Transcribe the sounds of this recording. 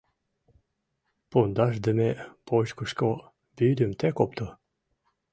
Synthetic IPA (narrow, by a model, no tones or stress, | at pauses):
pond̪ɑʃd̪ə̆mepoʃkuʃko | byd̪ymt̪ekopt̪o